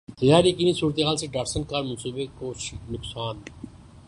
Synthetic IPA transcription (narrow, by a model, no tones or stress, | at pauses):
t̪ɐjaːɾikinisuːɾət̪eɦaːlseɖaːɾsənkaːɾmɐ̃nsuːbekoʃnʊksaːn